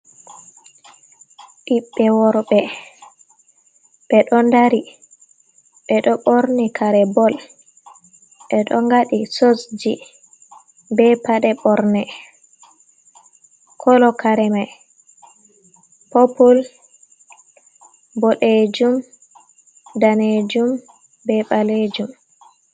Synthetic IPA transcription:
ɗiɓːɛwɔɾɓɛ | ɓɛɗɔndaɾi | ɓɛɗɔɓɔɾnikʰaɾɛbɔl | ɓɛɗɔŋɡaɗisosd͡ʒi | bɛpaɗɛɓɔɾnɛ | kʰɔlɔkaɾɛmaj | popul | bɔɗed͡ʒum | daned͡ʒum | bɛɓaled͡ʒum

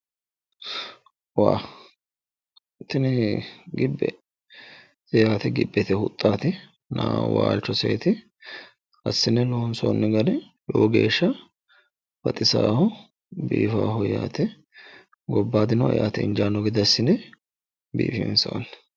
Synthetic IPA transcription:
waː | t̪ɪnɛɡɪbːɛ̰ | jaːt̪ɛɡɪ̰bːɛt̪ɛhʊt̪ʼːaːt̪ɪ | na̰ːwa̰ːlt͡ʃːɔsɛ̰ːt̪ɪ | ɐsːɪnɛloːnsoːnːɛɡɐnɛ | joːɡe̞̰ːʃːɐ | fɐt̪ʼɪsaːhʊ | biːfaːɦʊjaːt̪ɛ | ɡɔbːaːd̪ɪnɐɛ̰jaːt̪ɛɪnd͡ʒaːnːɔɡɪd̪ɐsːɪnɛ | bḭːfɪ̰nso̰nː

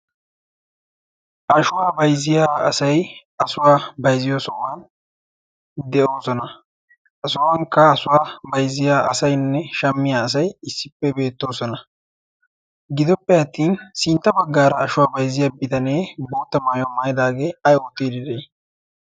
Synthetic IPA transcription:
ʔɐʃʊwaːbɐjzɪjaːɐ̰sɐj | ɐsʊwaːbɐjzɪjoːsɔwaːn | d̪ɛʔo̞ːsɔnɐ | ɐsʊwaːŋkɐːsʊwaːbɐjzɪjaːʔɐ̰sɐjnːɛʃɐmːɪjaːɐs̬ɐjɪsːɪpːɛbe̞ːt̪ːo̞ːsɔnɐ | ɡɪd̪ɔpːɛɐt̪ːiːnsɪnt̪ːɐbɐɡːaːɾɐːʃʊwaːbɐjzɪjaːbɪt̪ɐne̞ːbo̞ːt̪ːɐmaːjoːmaːjɪd̪aːɡe̞ːɐjot̪ːiːd̪ɪd̪ɛj

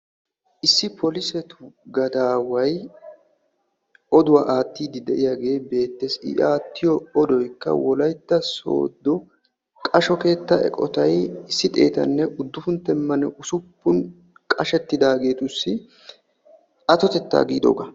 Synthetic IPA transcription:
ʔɪsːɪpʰɔlɪsɛt̪ʊ̥ɡɐd̪aːwɐj | ɔd̪ʊwaʔaːt̪ːiːd̪ɪd̪ɛʔɪjaːɡe̞ːbe̞ːt̪ːesɪ̰ʔaːt̪ːɪjɔɔd̪ɔjkːɐ̰wɔlɐjt̪ːɐso̰ːd̪ːɔ | kʼɐʃɔke̞ːt̪ːɐɛ̰kʼɔ̰t̪ɐjɪsːɪt̪ʼe̞̰ːt̪ɐ̰nːɛʔʊd̪ːʊfʊnt̪ːɛmːɐnɛʔʊsʊpːʊn | kʼɐʃɛt̪ːɪd̪aːɡe̞ːt̪ʊsːɪ | ʔɐt̪ɔt̪ɛt̪ːa̰ːɡiːd̪o̰ːɡɐ

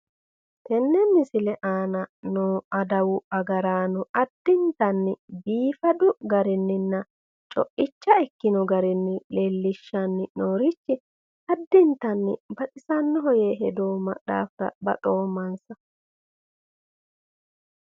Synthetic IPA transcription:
t̪ɛnːɛmɪsɪlɛʔaːnɐnoːɐd̪ɐwʊɐɡɐɾaːnʊʔɐd̪ːɪnt̪ɐnːɪbiːfɐd̪ʊɡɐɾɪnːɪnːɐ | t͡ʃʼɔ̰ʔɪt͡ʃːɐɛkːɪnɔɡɐɾɪnːɪlelːɪʃːɐnːɪnoːɾɪt͡ʃːɪ | ɐd̪ːɪnt̪ɐnːɪ̰bɐtʼɪsɐnːɔɦɔjeːɦɛd̪oːmɐ̰ɗa̰ːft̪ɐ̰bɐ̰t̪ʼo̞ːmɐnsɐ

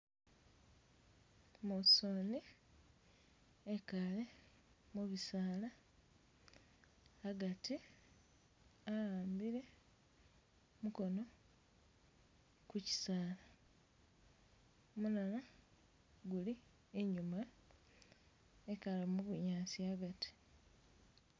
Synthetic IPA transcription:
mosoni | ekale̞ | muβisaːla | ɡati | ajaːmbiɾe̞ | muko̞no̞ | kuci̥saːla | munana | ɡuli | eɲuma | ekalemuβuɲaːsiaɡati̥

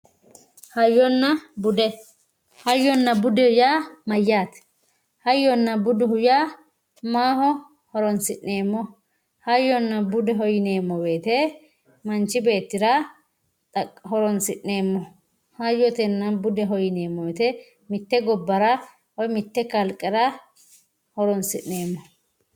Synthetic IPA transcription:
hɐjːɔnːɐbʊd̪ɛ | hɐjːɔnːɐbʊd̪ɛjaːmɐjːaːt̪ɛ̥ | hɐjːɔnːɐbʊd̪ɛhʊja | maːhɔ | hɔɾɔnsɪʔːe̞ːmːɔ | hɐjːɔnːɐbʊd̪ɛɦɔjɪne̞ːmːɔbe̞ːt̪ɛ | mɐnt͡ʃːɪbe̞ːt̪ːɪɾɐ | t̪ʼɐhɔɾɔnsɪʔːeːmːɔ | hɐjːɔt̪ɛnːɐbʊd̪ɛɦɔjɪne̞ːmːɔbet̪ɛ | mɪt̪ːɛɡɔbːɐɾɐ | wɔjmɪt̪ːɛkɐlkʼːɛɾɐ | hɔɾɔnsɪʔne̞ːmːɔ

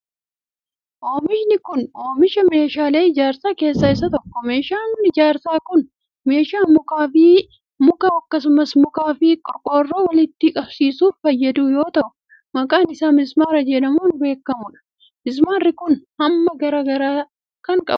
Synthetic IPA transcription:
ʔo̞ːmɪʃnɪkʊnoːmɪʃɐme̞ːʃaːle̞ːɪd͡ʒaːɾsaːke̞ːsːɐɪs̬ːɐt̪ɔkːɔme̞ːʃaːnɪd͡ʒaːɾsaːkʊn | me̞ːʃaːmʊkaːfiː | mʊkaːɐkːɐsʊmɐsmʊkaːfiːkʼɔkʼːoːrːoːwɐlɪt̪ːɪkʼɐb̥siːsuːffɐjːɐd̪uːjo̞ːt̪ɐʔʊ | mɐkʼaːnɪsaːmɪzmaːɾɐd͡ʒɛnɐmuːnbe̞ːkːɐmʊᶑɐ̥ | ʔɪzmaːrːɪkʊnhɐmːɐɡɐɾɐɡɐɾaː | kɐŋkʼɐ̰

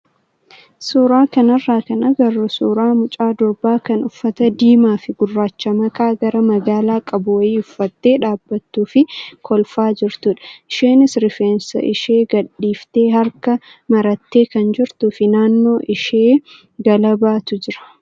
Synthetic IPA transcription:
suːɾaːkɐnɐrːaːkɐnɐɡɐrːʊsuːɾaːmʊt͡ʃʼaːd̪ɔbːaːkɐnʊfːɐt̪ɐd̪iːmaːfɪɡʊrːaːt͡ʃːɐmɐkaːɡɐɾɐmɐɡaːlaːkʼɐbʊwɐiːʊfːɐt̪ːe̞ːᶑaːbːɐt̪ːuːfɪkʰɔlfaːd͡ʒɪɾt̪uːᶑɐ̥ʔɪʃeːnɪsɾɪfeːnsɐ̰ʔɪʃe̞ːɡɐᶑːiːft̪e̞ːɦɐɾkɐmɐɾɐt̪ːe̞ːkɐnd͡ʒɪɾt̪ʊfɪnaːnːo̞ːʔɪʃeː | ɡɐlɐbaːt̪ʊd͡ʒɪɾɐ̥

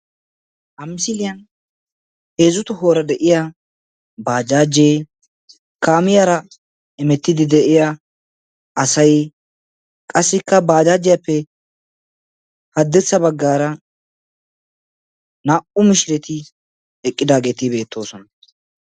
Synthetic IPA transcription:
ʔɐmɪsɪlɪjɐn | he̞ːzʊt̪ʊho̞ːɾɐd̪ɛʔɪja | baːd͡ʒaːd͡ʒeː | kaːmɪjaɾɐ | ɛmɛt̪ːɪd̪ɪd̪ɛʔɪja | ɐsɐj | kʼɐsːɪkːɐbaːd͡ʒaːd͡ʒːɪjɐpːɛ | hɐd̪ːɛt͡sːɐbɐɡːaːɾɐ | naːʔʊmɪʃɪɾɛt̪ɪ | ɛkʼːɪd̪aːɡe̞ːt̪ɪbe̞ːt̪ʰːo̞ːsɔnɐ

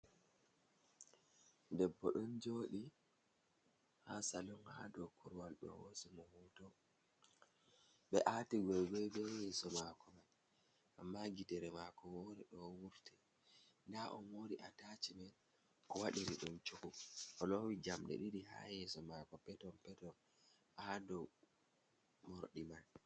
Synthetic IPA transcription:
dɛbːɔ̰ɗɔnd͡ʒoːɗi | hasalɔnha̰dɔkʰuɾwalɗɔ̰wo̰sɛmɔhutɔ | ɓɛʔatiɡɔjɡɔjbɛjɛsɔmakɔman | ʔamːaɡidɛɾɛmakɔwɔɾɛɗɔwuɾtɛ | ndaʔɔnwoɾiʔatat͡ʃimɛn | kɔwaɗiɾiɗunt͡ʃokɔʔɔlowid͡ʒamɗɛ̰ɗiɾiha̰jɛsɔmakɔpɛtɔmpɛtɔn | hadɔ | moɾɗimal

